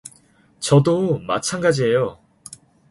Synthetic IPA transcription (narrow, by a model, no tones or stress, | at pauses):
t͡ɕʌdoma̰t͡ɕʰanɡad͡ʑiɦe̞jo